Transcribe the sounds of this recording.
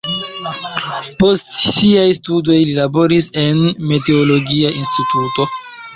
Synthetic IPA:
po̞stsiajstudo̞jlilabo̞ɾise̞nme̞te̞olo̞ɡiaʔinstituto̞

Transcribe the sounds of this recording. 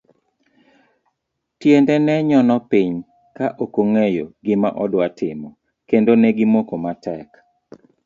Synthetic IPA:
tjendɛnɛɲɔnɔpiɲ | kaʔokoŋejoɡɪma̰ʔɔdwatʰɪmɔ | kendonɛɡɪmokomatʰɛk

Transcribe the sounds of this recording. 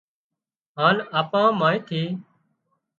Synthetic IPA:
ɦãːlaːpãːmãːẽːt̪ʰeː

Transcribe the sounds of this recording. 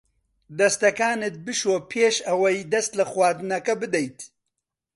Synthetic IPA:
d̪ɐst̪ɐkaːnɨt̪̚bɨʃoːpʰeːʃɐwɐjd̪ɐst̪lɐxwaːɾd̪ɨnɐkɐbɨd̪ɛjt̪

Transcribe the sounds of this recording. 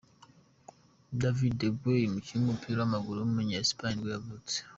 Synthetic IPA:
davideɡwejimuciɾumupʰiɾoamaɡulumumuɲaspaɲiwavute̥

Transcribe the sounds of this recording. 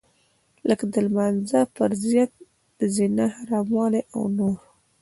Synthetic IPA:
ləkd̪əlmanzapəɾzjat̪̚ | d̪əzinahaɾɑmɑleʔa̰wnoɾ

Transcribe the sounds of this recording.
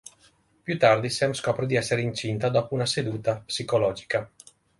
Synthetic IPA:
pjut̪ard̪isɛmskɔpɾed̪iɛsːeɾeint͡ʃint̪ad̪ɔpuunased̪uːt̪apsikolɔd͡ʒi̥ka

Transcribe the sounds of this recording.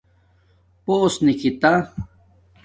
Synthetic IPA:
posnikit̪a

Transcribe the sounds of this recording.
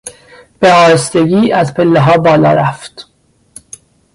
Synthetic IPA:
b̥eɒːɾest̪eɡiːæzpʰelːeɦɒːbɒːlɒːɾæft̪

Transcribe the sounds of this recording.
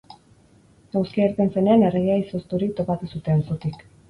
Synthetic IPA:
awskieɾt̪ense̞neanereɣaiso̞st̪uɾik̚t̪o̞pat̪usut̪e̞nsut̪ik

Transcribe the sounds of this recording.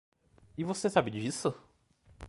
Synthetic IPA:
ivosesabɪd͡ʒisʊ

